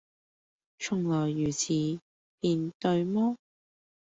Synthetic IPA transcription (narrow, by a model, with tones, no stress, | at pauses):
t͡ʃʰʊ˨˩ŋlɔː˨˩jːyː˨˩t͡sʰiː˨˧ | piː˨˧nt̪ɵ˧ɥmɔː˥